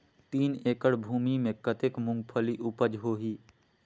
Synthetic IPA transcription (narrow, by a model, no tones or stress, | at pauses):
t̪iːneːkəɽbʱuːmimẽkət̪eːkmʊ̃ŋɡpʰəliʔʊpəd͡ʒɦoːɦiː